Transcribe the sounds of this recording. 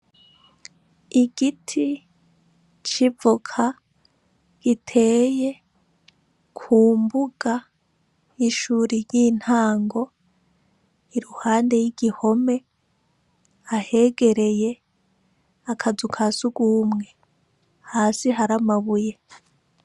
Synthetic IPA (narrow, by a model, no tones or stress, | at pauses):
iɡitʰi | t͡ʃivukʰa | ɡ̥itʰe̞ːje̞ | kʰuːmbuɡ̥a | iʃuɾiɾjiːn̥haːŋɡo̞ | iɾuhaːnde̞jiɡiho̞me̞ | ahe̞ːɡe̞ɾe̞je̞ | akʰazukʰasuɡwuːmŋe̞ | haːsiɦaɾamaβuje̞